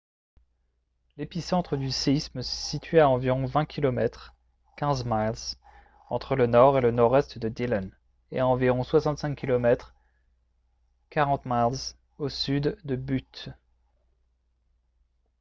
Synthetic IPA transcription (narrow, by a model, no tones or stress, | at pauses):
lepisɑ̃t̪χəd̪yseisməsit̪ɥeaɑ̃viʁɔ̃vɛ̃kʲʰilɔmɛt̪χ | kʲɛ̃zmalz | ɑ̃t̪χələnɔʁelənɔʁɛst̪d̪əd̪ilən | eaɑ̃viʁɔ̃swasɑ̃t̪sɛ̃kkʲːilɔmɛt̪χ | kaʁɑ̃t̪malz | osyd̪d̪əbyt̪